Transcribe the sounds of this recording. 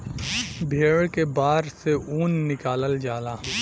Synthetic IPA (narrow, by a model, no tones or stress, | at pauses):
bʱeːɽkebaːɾseuːnːɪkaːləld͡ʒaːlaː